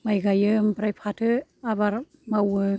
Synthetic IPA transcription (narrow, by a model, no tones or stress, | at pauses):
majɡajɯmpɾajpʰatʰɯabaɾ | mawɯ